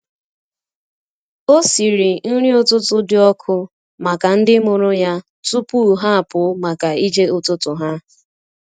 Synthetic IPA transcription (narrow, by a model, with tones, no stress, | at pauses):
o˦si˨ɾi˨n̩˦ɾi˦o˦tʊ˦tʊ˦dɪ˦ɔ˦kʰʊ˦ | ma˨ka˨n̩˦dɪ˦mʊ˨ɾʊ˦ja˦ | tʊ˦pu˦˨ɦa˦a˨pʊ˨˦ma˨ka˨i˦d͡ʒe˦ʊ˦tʊ˦tʊ˨ɦa˦